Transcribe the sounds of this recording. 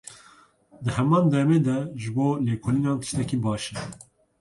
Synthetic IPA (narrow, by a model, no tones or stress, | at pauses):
d̪ɨhɛmɑːnd̪ɛmeːd̪ɛʒɨboːleːkʰoliːnɑːnt̪ɨ̥ʃt̪ɛkiːbɑːʃɛ